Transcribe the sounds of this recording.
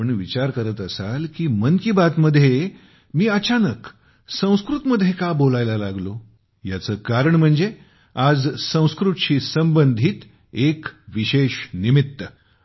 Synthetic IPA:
əɳʋit͡ɕaɾkəɾət̪əsalkiːmənkibat̪məd̪ʱːje | miːət͡ɕanək | sə̃w̃skɾut̪məd̪ʱjekabolajlalaɡlo | jat͡səːkaɾəɳm̤əɳd͡ze | ad͡zsə̃w̃skɾut̪ɕiːsəmbənd̪ʱiːt̪ | ekʋiɕeɕnimit̪ːə

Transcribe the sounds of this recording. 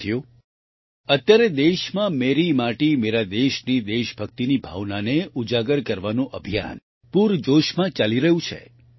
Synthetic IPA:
jo | ət̪jaɾed̪eʃmãmeɾimaʈimeɾad̪eʃnid̪eʃbʱək̚t̪inibʱa̰ʋnaneʔud͡ʒaɡəɾkəɾʋanũʔəbʱija̰n | puɾd͡ʒoʃmãt͡ʃaliɾəɦũt͡ʃʰḛ

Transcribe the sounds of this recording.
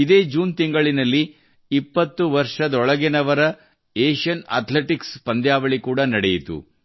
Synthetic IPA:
id̪e̞ːd͡ʒuːnt̪iŋɡɐɭinɐlːi | ipːɐt̪ːuʋɐɾʂɐd̪ɔɭɐɡinɐʋɐɾɐ | eːʂɐna̰ːt̪leʈikspɐnd̪ʱjaːʋɐɭikuːɽɐnɐɽɛjit̪ṵ

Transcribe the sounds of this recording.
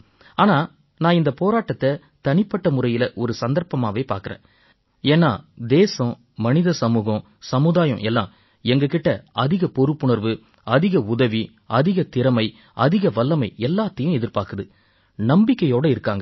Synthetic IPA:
aːnaː | nãːɪnd̪ɐpoːɾaːʈːɐt̪ːɐ | t̪ɐnɪpːɐʈːɐmʊɾɐjɪlɐʔɔɾɯsɐnd̪ɐɾpɐmaːʋeːpa̰ːɾkɐɾḛ̃ː | eːnːa̰ːd̪eːsɐ̃ | mɐnɪðɐsɐmuːɣɐ̃ | sɐmɯðaːjɐ̰̃ʔɛlːã̰ː | ɛŋɡɐkɪʈːɐʔɐðɪɣɐpɔɾɯpːʊɳɐɾʋɯ | ɐðɪɣɐʊðɐʋi | ɐðɪɣɐt̪ɪɾɐmɐɪ | ɐðɪɣɐʋɐlːɐmɐɪɛlːaːt̪ːɐjʊ̃ɛðɪɾpaːɾkɯðɯ | nɐmbɪkːɐjoːɽɐɪɾɯkːaːŋɡɐ

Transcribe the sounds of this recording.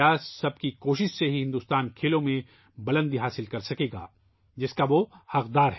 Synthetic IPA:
aːssɐb̚kikoːʃɪʃseɦiɦɪ̃nd̪uːst̪aːnkʰeːlõmẽ | bɐlə̃nd̪iɦaːsɪlkɐɾsɐkeːɡa̰ː | d͡ʒɪskaʋohɐqd̪aːɾɦ

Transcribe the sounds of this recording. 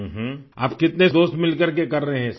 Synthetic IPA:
ɦ | a̰ːpkɪt̪ned̪oːst̪mɪlkəɾkekɐɾːɐɦeɦɛ̃s

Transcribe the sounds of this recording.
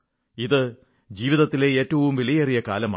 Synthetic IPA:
iðɨ | d͡ʑiːʋiðɐt̪ːile̞eːtːɐʋumʋelɐjɐrijɐka̰ːlɐma̰ː

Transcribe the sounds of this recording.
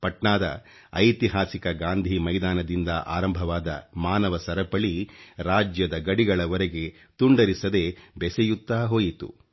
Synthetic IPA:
pɐʈɳaːd̪ɐ̰ | ɐjt̪iɦaːsikɐɡaːnd̪ʱimɐjd̪aːnɐd̪ind̪ɐʔa̰ːɾɐmbʱɐʋaːd̪ɐ̰maːnɐʋɐsɐɾɐpɐɭiɾaːd͡ʒjɐd̪ɐɡɐɽiɡɐɭɐʋɐɾeɡe̞ | t̪uɳɖɐɾisɐd̪e̞bɛsejut̪ːaːɦo̞ːjit̪ṵ

